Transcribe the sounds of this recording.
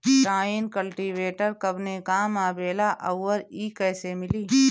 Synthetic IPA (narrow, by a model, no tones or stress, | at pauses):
ɾaːinkəlʈiːʋeːʈəɾkɐbnekaːmaːbeːlaʔɐwːəɾiːkɛːsemɪliː